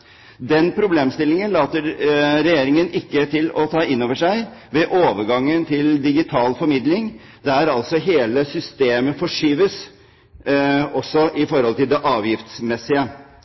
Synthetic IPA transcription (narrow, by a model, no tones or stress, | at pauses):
d̪ɛnpʰɾʊbleːmst̪ɪlːɪŋənlɑːt̪əɾɾɛjeːɾɪŋənʔɪkːət̪ʰɪlɔt̪ʰɑːɪnːoːʋəʂæɪʋɛʔoːʋəɾɡɑŋːənt̪ʰɪld̪ɪɡɪt̪ʰɑːlfɔɾmɪd̪lɪŋ | d̪ɛæɾɑlsɔɦeːləsʏst̪eːməfɔʂyːʋəs | ɔsːɔʔɪfɔɾhɔlt̪ʰɪld̪ɛʔɑːʋjɪft̪smɛsːɪə